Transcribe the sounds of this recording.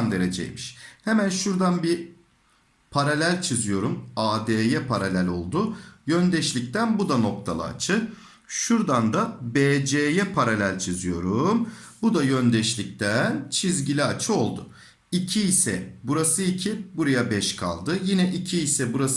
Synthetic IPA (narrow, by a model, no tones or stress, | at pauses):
nd̪e̞ɾed͡ʒɛ̰j̰miʃhemænʃuɾd̪anbi | pʰaɾalʲælʲt͡ʃʰizijo̞ɾumaːd̪eːjɛpʰaɾalʲælʲo̞̰lˠd̪ʊjønd̪ɛʃlʲic̚t̪ænbud̪ano̞k̚t̪ʰalˠɯ̰a̰t͡ʃʰɯ | ʃuɾd̪and̪abeːd͡ʒeːjɛpʰaɾalʲælʲt͡ʃʰizijo̞̰ɾumbud̪ajønd̪ɛʃlʲic̚t̪ænt͡ʃʰizɟilʲiat͡ʃʰɯo̞lˠd̪ʊ | icʰiːsɛ̰buɾasɯicʰibuɾajabɛʃkʰa̰lˠd̪ɯjinɛʔicʰiːsɛbuɾas